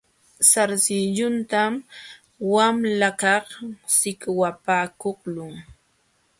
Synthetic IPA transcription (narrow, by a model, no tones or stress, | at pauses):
saɾsɪʎʊnt̪am | wamlakɑχsɪkwapaːkoχlʊŋ